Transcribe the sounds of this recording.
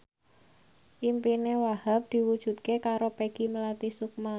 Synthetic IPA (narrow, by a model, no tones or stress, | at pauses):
ʔimpinewahap̚d̪̥i̤wud̥ʒ̥ṳt̪̚kekaɾopeɡ̥i̤məlat̪isuk̚ma